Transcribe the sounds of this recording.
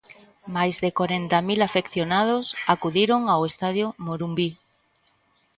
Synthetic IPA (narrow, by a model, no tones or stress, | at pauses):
majzðekoɾent̪amilafekθjonað̞osakuðiɾoŋawest̪aðjomoɾumbi